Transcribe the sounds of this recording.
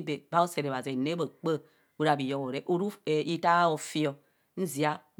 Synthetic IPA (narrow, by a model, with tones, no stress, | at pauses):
be˨ba˦o˦se˨ɾe˨βa˨ze˨ne˦bo˨k͡pə˦ | u˦ɾa˨bi˨jo˦ko˨ɾe˨ʔo˨ɾu˦e˨i˦ta˦o˨fi˦o˨ | n̩˦zi˨a˦